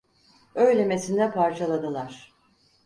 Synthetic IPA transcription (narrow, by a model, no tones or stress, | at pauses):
ø̞jlʲeme̞sind̪ɛpʰaɾt͡ʃʰalˠad̪ɯlˠaɾ̥